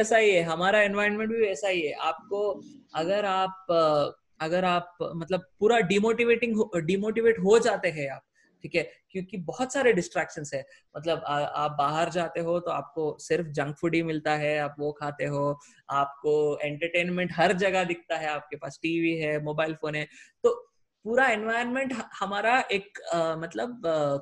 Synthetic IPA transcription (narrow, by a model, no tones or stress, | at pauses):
ɛːsaɦiɦɛɦɐmaːɾaɛ̃nʋaːɪɾəɾnmɛ̃ɳʈ̚bʱiɛːsaɦiɦɛʔaːp̚koɐɡəɾaːp̚ | ɐɡəɾaːp̚mɐt̪ləb̚puːɾaɖiːmoːʈiʋeːʈɪ̃ŋɡɦoɖiːmoːʈiʋeːʈɦod͡ʒaːt̪eɦɛ̃aːp̚ | ʈʰiːkɦɛkjõːkibɔɦɔt̪saːɾeɖɪsʈɾɛːkʃə̃nsɦɛ̃ː | mɐt̪ləbaa̰ːp̚baːɦəɾd͡ʒaːt̪eɦot̪oaːp̚kosɪɾfd͡ʒɐ̃ŋɡfʊɖimɪlt̪aɦɛaːpʋokʰaːt̪eɦoː | aːp̚koɛ̃ːɳʈəɾʈeːnmɛ̃ɳʈɦɐɾd͡ʒɐɡad̪ɪk̚ʰt̪aɦɛaːp̚kepaːsʈiːʋiɦɛːmoːbaːɪlfoːnɦɛ̃ːt̪oː | puːɾaɛ̃nʋaːɪɾənmẽɳʈɦhɐmaːɾaʔeːkmɐt̪ləb